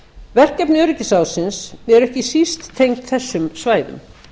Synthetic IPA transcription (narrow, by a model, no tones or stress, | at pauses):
vɛr̥kɛpnɪœɾɪcɪsawsɪnsɛɾɛhcɪsist̪ʰːejŋkt̪θɛsːʏmsvaːjðʏ̰m